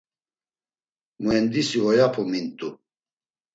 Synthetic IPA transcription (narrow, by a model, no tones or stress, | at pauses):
muɛnd̪isivɔjapʰumint̪ʼu